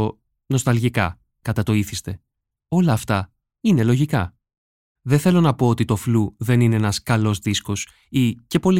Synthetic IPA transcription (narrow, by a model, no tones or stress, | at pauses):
o | no̞st̪ɐlʝikɐ̰ | kɐt̪ɐt̪o̞iθist̪e̞ | o̞lɐːft̪ɐ | ine̞loʝikɐ | ðeθe̞lo̞nɐpo̞ot̪it̪o̞fluðe̞nine̞enɐskɐlo̞zðisko̞s | ice̞po̞li